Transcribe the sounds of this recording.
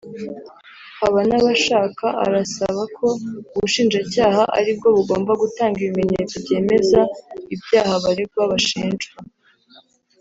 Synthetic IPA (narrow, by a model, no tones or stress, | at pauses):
haβanaβaʃaːkaʔa̰ɾasaβakʰo̞uβuʃiːnd͡ʒacaːhaʔa̰ɾib̚ɡo̞βuɡo̞ːmbaɡutaːŋɡiβime̞ɲeːt͡sobɟe̞ːme̞zaibjaːhaβaɾeɡwaβaʃiːnd͡ʒa